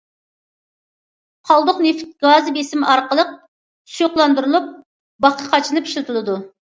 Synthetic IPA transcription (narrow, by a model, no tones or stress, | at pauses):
χɑlˠd̪ʊqneft̪̚ɡɑzbesɪmɑɾqəlˠəq̚ | sujoqlˠɑnd̪uɾulˠup̚ | bɑqʰɑqʰɑt͡ʃʰinɨpʰi̥ʃlɨt̪ʰulˠɨd̪u